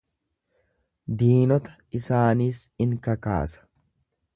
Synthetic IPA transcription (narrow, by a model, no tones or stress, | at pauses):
d̪iːnɔt̪ɐ̥ | ɪsaːniːsɪŋkɐka̰ːsɐ̥